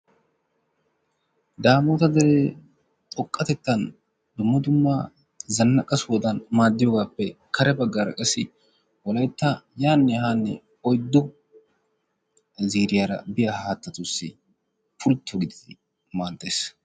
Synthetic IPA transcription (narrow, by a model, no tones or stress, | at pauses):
d̪aːmoːt̪ɐd̪ɛɾe | t̪ʼɔkʼːɐt̪ɛt̪ːɐn | d̪ʊmːɐd̪ʊmːɐ | zɐnːɐkʼːɐswɔd̪ɐnmaːd̪ːɪjoːɡaːpːɛkʰɐɾɛbɐɡːaːɾɐ̰kʼɛsɪ | wɔlɐjt̪ːɐjaːnːɛɦaːnːɛ̰ | ɔjd̪ːʊ | ziːɾɪjaɾɐ̰bɪjahaːt̪ːɐt̪ʊsːɪ̰ | pʊlt̪ʰːɔɡɪd̪ɪd̪ɪ | maːnt̪ːeːs